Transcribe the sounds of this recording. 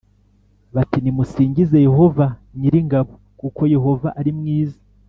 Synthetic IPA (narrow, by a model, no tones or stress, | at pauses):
βatinimusiːɲɟize̞je̞ɦo̞vaɲiɾiŋɡaβo̞ | kuko̞je̞ɦo̞vaʔaɾimŋiːza